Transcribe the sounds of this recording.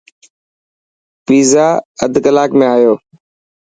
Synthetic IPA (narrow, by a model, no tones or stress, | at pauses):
piːzaːə̰d̪ʱkəlaːkmẽːaːjoː